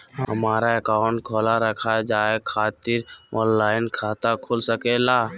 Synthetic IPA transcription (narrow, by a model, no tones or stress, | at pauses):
ɦɦəmaːɾaekãːʊ̃ɳʈ̚kʰɔːlaɾəkʰad͡ʒaːekʰaːt̪ɪɾɔːnlaːɪnkʰaːt̪akʰolsəkelaː